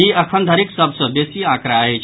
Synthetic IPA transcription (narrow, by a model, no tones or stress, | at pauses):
iɐkʰand̪ʱaɾiksəbsəbesiːãkɾaaɦet͡ʃʰ